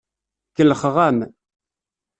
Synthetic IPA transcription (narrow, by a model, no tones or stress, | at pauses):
kəlχʁam